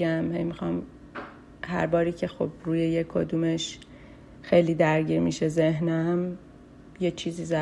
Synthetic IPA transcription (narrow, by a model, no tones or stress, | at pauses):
æmhḛjmixɒm | hæ̰ɾbɒːɾiːcʰe̞xob̥̚ɾuːje̞jekʰo̰d̪uːmeʃ | xe̞jliːd̪æɾɟiːɾmḭʃezeɦnæm | je̞t͡ʃʰiːziːzæ